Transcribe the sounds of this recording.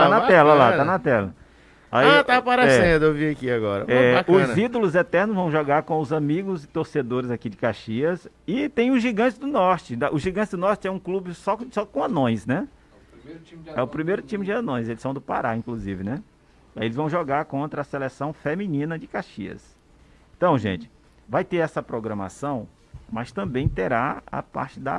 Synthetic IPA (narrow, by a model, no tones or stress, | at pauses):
t̪anɐt̪ɛlɐlat̪anɐt̪ɛlɐ̰ | a̰iat̪aapaɾesɛẽnd̪ʊewviakiaɡɔɾɐ̰̃ɛbakʊzid̪olʊzɛt̪ɛɾnʊzvɐ̃w̃ʒoɡaɾkõʊzãmiɡʊzɪt̪oɾsed̪oɾɪzakid͡ʒɪkaʃiɐs | ɪt̪ẽj̃ʊzʒiɡɐ̃t͡ʃɪzd̪ʊnɔɾt͡ʃɪd̪aʔʊʒiɡɐ̃t͡ʃɪzd̪ʊnɔɾt͡ʃɪɛũklubɪsɔsɔkõɐnõj̃snɛ | ɛʊpɾimejɾʊt͡ʃĩmɪd͡ʒɪɐnõj̃zelɪsɐ̃w̃d̪ʊpa̰ɾaĩkluzivɪnɛ | aelɪzvɐ̃w̃ʒoɡaɾkõnt̪ɾɐːselesɐ̃w̃femĩnĩnɐd͡ʒɪkaʃiɐ̰s | ẽt̪ɐ̃w̃ʒḛ̃t͡ʃɪ̥ | vajt̪eɾɛsɐpɾoɡɾɐ̃ma̰sɐ̃w̃ | mɐst̪ɐ̃mbẽj̃t̪eɾaɐ̰pa̰ɾt͡ʃɪd̪ɐ̰